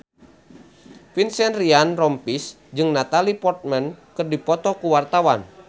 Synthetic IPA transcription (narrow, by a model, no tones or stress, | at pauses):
finsɛnrianrɔmpis | d͡ʒɨŋnat̪alipɔrt̪̚mɛnkɨrdipɔt̪ɔkuwart̪awan